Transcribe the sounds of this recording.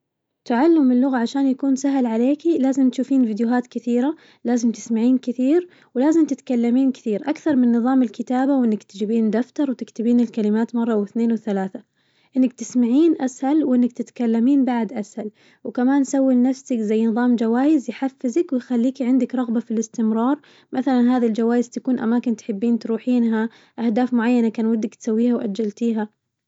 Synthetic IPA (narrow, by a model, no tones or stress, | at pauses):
t̪aʕalːɪmːɪlːʊɣaʕaʃaːnjakuːnsaɦlʕaleːkilaːzɪmt̪ʃuːfiːnviːd̪jʊɦaːt̪kɪθiːɾa | laːzɪmt̪ɪ̥smaʕiːnkɪθiːɾ | wɪlaːzɪmt̪ɪt̪kalːamiːnkɪ̥θiːɾʔakθɑɾˤmɪnːɨðˤɑːmɪlkɪt̪aːbawʔɪnːakt̪ɪd͡ʒɪbiːnd̪aft̪ɑɾˤwt̪ɪkt̪ɪbiːnɪlkalɪmaːt̪mɑrˤːɑwɪθneːnwɪθalaːθa | ʔɪnːak̚t̪ɪsmaʕiːnʔashalwʔɪnːak̚t̪ɪt̪kalːamiːnbaʕd̪ʔashal | wkamaːnsawːinafsakzajːnɨðˤɑːmd͡ʒawaːjɪzjħafːɪzakwɪjxalːiːkiʕɪnd̪ɪkɾˤɑɣbafilɪst̪ɪmɾˤɑːɾˤ | mʔaθalanɦaːðild͡ʒawaːjɪz̥t̪akuːnʔa̰maːkɪnt̪ħɪbːiːnt̪ɾuːħiːnɦa | ʔahd̪aːfmʊʕajːanakaːnwɪd̪ːakt̪sawːiːhawʔa̰d͡ʒːalt̪iːɦa